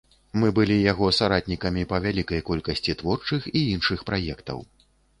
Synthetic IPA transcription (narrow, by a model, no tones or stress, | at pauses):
mɨbɨlʲijaɣɔsaɾat̪̚ʲnʲikɐmʲipɐvʲalʲikɐjkɔlʲkɐsʲt͡sʲit̪vɔrt͡ʂɨxiinʂɨxpɾajɛkt̪ɐ̰w